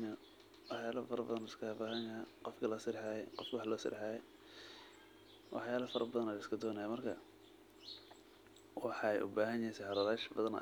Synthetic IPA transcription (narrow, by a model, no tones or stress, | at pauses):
wɑħjaːlɐfɐɾɐbɐðɐnʊskʰɐhbaːɦɐnjɐqɔfkʰɐlɐsɪɾħɑːjɛqɔfkwɑħlɔːsɪ̰ɾħɑːjɛ | wʔɑ̰ħjaːlɐfɐɾʔɐbɐðɐnɐjɪskʰɐd̪ɔːnɐjaːmɐrkʰɐ | wɑħɑjʔʊ̰baːɦɐnjɛsɛħɑɾɐðaːʃbɐðɐn̰